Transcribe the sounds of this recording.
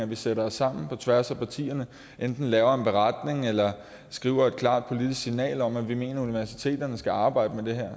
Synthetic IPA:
æʋiseɾɐɒsɑ̈m̰n̩pʰɒ̽t͡sʰʋæɐsæpʰɑ̈t͡sʰḭːɐnə | ʔend̥n̩lɛːʊɐe̝nb̥e̝ʁɑd̥ne̝ŋelɐ | sɡ̥ʁḭːʊɐe̝d̥̚kʰlɑ̰̈ːd̥̚pʰo̝lid̥isɡ̥sinɛ̰ːlɒ̽m̰æʋime̝̰ːnɐuniʋæɐsi̥t͡sʰe̝̰ːd̥ɐnəsɡ̥æɑ̈ːb̥ɑ̈ɪ̰d̥əmed̥e̝ɦæɐ̰

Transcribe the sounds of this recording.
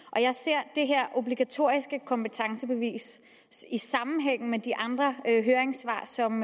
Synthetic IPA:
ʔɒ̽jɑ̈ɪse̝ɐ̰d̥e̝ɦeɐ̰ʔo̝b̥liɡ̥æt͡sʰo̝̰ɐ̰isɡ̥əkʰɒ̽mpət͡sʰɑ̈ŋsəb̥e̝ʋḭːs | isɑ̈mn̩ɦeŋ̰n̩med̥iʔɑ̈nd̥ʁɐɦøːɐeŋsʋɑ̰̈ːsɒ̽m

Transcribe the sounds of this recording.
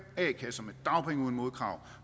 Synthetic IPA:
ɛ̰ːkʰæsɒ̽me̝d̥d̥ɑ̈ʊpʰeŋuðˠn̩mo̝ðˠkʰʁɑ̈ʊ

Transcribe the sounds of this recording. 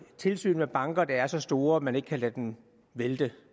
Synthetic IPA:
t͡sʰe̝lsy̰ːnmeb̥ɑ̈ŋɡ̥ɐd̥ɑ̈æɐsɒ̽sd̥o̝ːɐæmæne̝ɡ̥kʰælæd̥em | ʋeld̥e

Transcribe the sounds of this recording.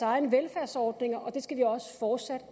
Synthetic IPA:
ɑ̈ɪnʋelfæɐ̰sɒːd̥ne̝ŋɐʔɒ̽d̥e̝sɡ̥æʋiɒ̽sə̥fɒːd̥sæd̥ə

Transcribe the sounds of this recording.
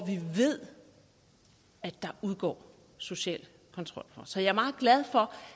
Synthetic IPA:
ɒʋiʋe̝ð̞̰ˠ | æd̥ɑ̈ʔuðˠɡ̥ɒ̰ː | so̝ɕɛ̰ːl | kʰɒ̽nt͡sʰʁɒ̽l̰fɒ̽sɒ̽jɑ̈æɐmɑ̈ːð̩ˠɡ̥læð̞ˠfɒ̽

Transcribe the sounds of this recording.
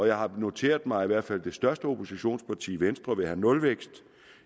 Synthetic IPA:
ɒ̽jɑ̈ɪɦɑ̈no̝t͡sʰe̝̰ːɐðˠmɑ̈ɪiʋæɐ̰d̥fæl̰d̥e̝sd̥ɶɐsd̥əo̝pʰo̝siɕo̝̰ːnspʰɑ̈t͡sʰḭːʋensd̥ʁɐʋe̝ɦænɔ̽lʋeɡ̥sd̥

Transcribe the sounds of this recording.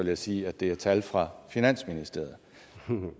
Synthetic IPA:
ʋeljasiːæd̥e̝æɐt͡sʰælfʁɑ̈finæn̰sminisd̥e̝ɐ̰ð̩ˠ

